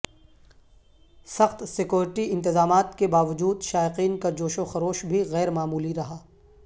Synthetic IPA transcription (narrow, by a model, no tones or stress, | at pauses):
sɐxt̪sɪkjoːɾɪʈiɪ̃nt̪ɪzaːmaːt̪kebaːʋɐd͡ʒuːd̪ʃaːɪqiːnkad͡ʒoːʃoxɐɾoːʃbʱiɣɛːɾmaːmuːliɾɐɦaː